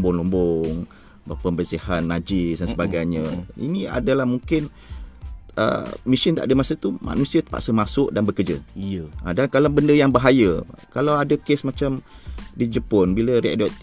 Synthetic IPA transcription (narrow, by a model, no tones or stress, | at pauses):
mbʊŋlumbɔŋ | bapəmbərsihannad͡ʒisdansəbaɡajɲəḭnia̰dəlahmuŋkɪn | ʔə̰misɪnt̪aʔdəmasət̪uma̰nusiat̪ə̥pa̰ʔsəmasʊʔdanbəkəd͡ʒə̰ʔadankalabəndəjaŋbaɦajəkalawadəkesmat͡ʃamdid͡ʒəpɔnbiləriʔdɔt̪